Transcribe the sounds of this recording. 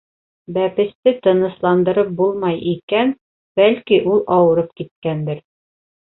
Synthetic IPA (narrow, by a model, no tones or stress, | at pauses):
bæpɘ̆st̪ɘt̪ɤ̆nɤ̆slˠɑnd̪ɤ̆ɾɤp̚bulˠmɑjʔikæn | b̥ælkiʔulˠɒwɤ̆ɾɤp̚kit̪̚kænd̪ɘɾ